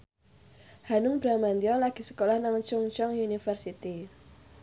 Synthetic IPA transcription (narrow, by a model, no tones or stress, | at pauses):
hanʊŋb̥ɾamand̪iɔlaɡ̥i̤sə̥kolahnaŋt͡ʃʊŋt͡ʃɔŋjunifərsit̪i